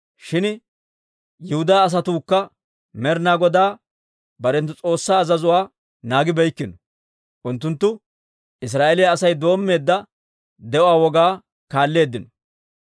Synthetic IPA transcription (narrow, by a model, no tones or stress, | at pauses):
ʃɪn | jɪhʊd̪aːs̬ɐt̪uːkːɐ | mɛɾnaːɡɔd̪aː | bɐɾɛnt̪̬ːʊt͡sʼo̞ːsːaːzɐzʊwaː | naːɡɪbɛjkːɪnɔ̥ | ʔʊnt̪ːʊnt̪ːʊ | ɪs̬ɾaːʔelɪjɐːsɐjd̪o̞ːmːe̞ːd̪ːɐ | d̪ɛʔɔaːwɔɡaː | kaːlːe̞ːd̪ːɪnɔ